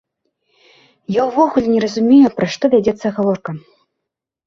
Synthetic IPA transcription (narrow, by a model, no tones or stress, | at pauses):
jawvɔɣulʲinʲɛɾɐzumʲejupɾɐʂt̪ɔvʲad͡zʲɛt̪sːɐɣavɔrkɐ